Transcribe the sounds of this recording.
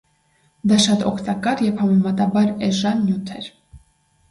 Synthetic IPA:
d̪ɑʃɑt̪ɔ̰kʰt̪ɑkɑɾjɛvhɑmɛmɑt̪ɑbɑɾɛʒɑnːjut̪ʰɛɾ

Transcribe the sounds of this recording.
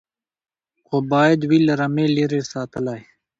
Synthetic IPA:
koːbaːed̪wiːlɐɾɐmẽːleːɾeːsaːt̪əlaːi

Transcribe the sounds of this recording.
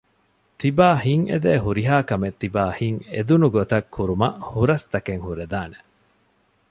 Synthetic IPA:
t̪ibaːhiŋʔḛd̪eːɦuɾiɦaːkɐmet̪ːibaːhiŋed̪unuɡot̪ɐkʰːuɾumɐʔhuɾɐst̪ɐkeŋhuɾed̪aːne̥

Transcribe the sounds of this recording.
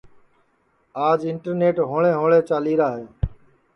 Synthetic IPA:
aːd͡ʒɪɳʈəɾneːʈɦoːɭẽːɦoːɭeːt͡ʃaːliːɾaːɦeː

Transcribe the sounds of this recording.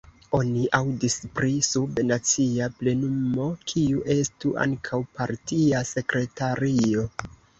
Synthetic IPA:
o̞niʔawdispɾisubnat͡siaple̞numo̞kʰiuʔe̞stuʔa̰ŋkʰawpaɾtiase̞kɾe̞taɾio

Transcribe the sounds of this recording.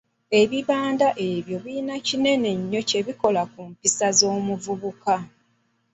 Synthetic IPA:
e̞βiβaːndaʔe̞βjo̞βiːnacine̞ne̞ɲːo̞ce̞βiko̞lakumpisazo̞ːmuvuβuka

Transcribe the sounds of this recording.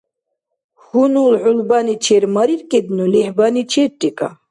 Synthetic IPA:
hunulʕulbanit͡ʃʰeɾmaɾiɾkʼibnulihbanit͡ʃʰeɾt̪ʼikʼa̰

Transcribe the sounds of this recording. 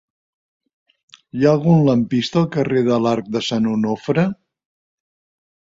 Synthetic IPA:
jaəlˠɣunləmpist̪əːlˠkəreðəlaɾk̚d̪əsanunofɾə

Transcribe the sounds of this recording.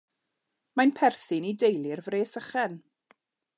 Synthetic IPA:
manpʰɛrθɨnidejlˠɪrvreːsəχɛn

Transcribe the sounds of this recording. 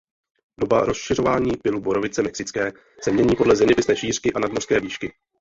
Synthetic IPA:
do̞baɾo̞sʃɪr̝o̞vaːɲiːpɪlubo̞ɾo̞vɪt͡sɛmɛksɪt͡skɛː | sɛmɲɛɲiːpo̞dlɛzɪnɪpɪsnɛːʃiːr̥kɪʔanadmor̥skɛːviːʃkɪ

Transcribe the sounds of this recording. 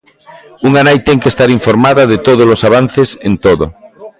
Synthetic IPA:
uŋanajt̪ɛŋkest̪aɾiɱfoɾmaðɐðet̪oð̞olosaβ̞an̟θesẽnt̪oðo̰

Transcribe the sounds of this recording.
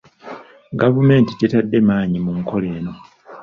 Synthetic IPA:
ɡavume̞ːnticetadːe̞maːɲimuŋkʰo̞le̞ːno̞

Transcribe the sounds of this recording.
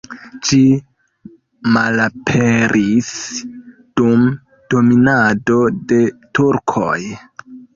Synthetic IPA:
d͡ʒi | malapʰe̞ɾʔis | d̥um | d̥o̞minado̞de̞tuɾkʰo̰j

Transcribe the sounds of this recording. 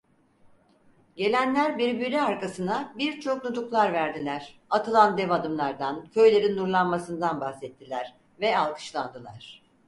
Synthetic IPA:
ɟe̞lʲænlʲæɾbiɾbilʲiaɾkasɯnabiɾt͡ʃʰo̞k̚nut̪ʰuklˠaɾvæɾd̪ilʲæɾ̥at̪ʰɯlˠand̪ɛvad̪ɯmlˠaɾd̪ancʰø̞jlʲe̞ɾinːuɾlˠanmasɯnd̪anbaxsɛt̪ʰːilʲæɾ̥ | vɛalˠkʰɯ̥ʃlˠand̪ɯlˠa̰ɾ̥

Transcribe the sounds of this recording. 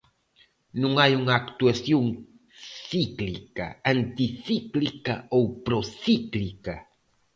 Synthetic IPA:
nuŋajuŋakt̪uasjuŋ | siklika̰ant̪iθiklika̰owpɾoθiklika

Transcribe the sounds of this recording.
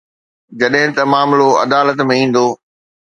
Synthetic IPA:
d͡ʑɐɗɦɪ̃t̪ɐmaːmloɐ̰d̪aːlət̪mẽĩːn̆d̪oː

